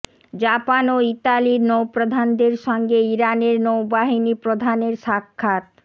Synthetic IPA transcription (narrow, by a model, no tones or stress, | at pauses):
d͡ʑapanoit̪aliɾnowpɾod̪ʱand̪eɾʃɔŋɡeiɾaneɾnowbaɦinipɾod̪ʱaneɾʃakʰːat̪̚